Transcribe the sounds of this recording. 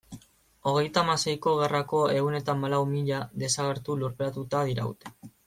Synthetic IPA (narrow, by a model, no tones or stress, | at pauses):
o̞ɣ̞e̞jt̪amase̞jko̞ɣ̞e̞rako̞e̞ɣune̞t̪amalawmiʎaðe̞saɣ̞e̞ɾt̪uluɾpeat̪ut̪aðiɾa̰ṵt̪e̥